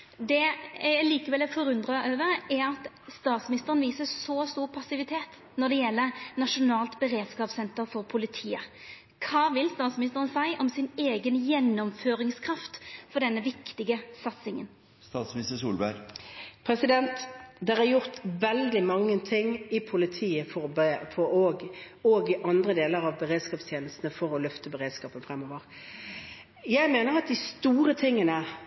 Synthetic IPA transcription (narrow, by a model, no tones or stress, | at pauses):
d̪ɛjæɪliːkəʋɛlɛfɔɾʉnd̪ʁɑʔøːʋəɾɛɾɑt̪ | st̪ɑːt̪smɪnɪst̪əʁənʋiːsəsɔst̪uːʁpʰɑsɪʋɪt̪ʰeːt̪ | nɔd̪ɛjɛlːənɑʂʊnɑːlt̪bəɾeːd̪skɑːpsɛnt̪əɾfɔɾpʰʊlɪt̪ʰiːə | kʰɑːʋɪlst̪ɑːt̪smɪnɪst̪əʁənsæɪʔɔmsɪneːɡənjɛnːɔmføːɾɪŋskʰɾɑft̪fɔɖ̪ɛnːəʋɪkt̪ɪɡəsɑt̪sɪŋə̰n | st̪ɑːt̪smnɪst̪əʂṵːlbæ̰ɾpʰɾɛsɪd̪ɛnt̪d̪ɛʁæɾjʊʁt̪ʋɛld̪ɪmɑŋːət̪ʰɪŋɪpʰʊlɪt̪ʰiːəfɔbfɔoɡ | oɡɪʔɑnd̪ɾəd̪eːləʁɑʋbəʁeːd̪skɑːpst̪ʰjeːnəst̪n̩əfɔɾɔlœft̪əbəʁeːd̪skɑːpənfʁɛmoːʋəʁ | jæɪmeːnəʁɑt̪̚d̪ɪst̪uːɾət̪ʰɪŋːənə